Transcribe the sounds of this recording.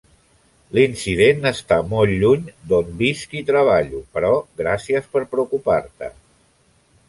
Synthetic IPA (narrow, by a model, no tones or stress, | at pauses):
linsiðenəst̪amɔlʎuɲd̪ombiskit̪ɾəβ̞aʎupəɾɔɣɾasiəspəɾpɾəukupaɾt̪ə̰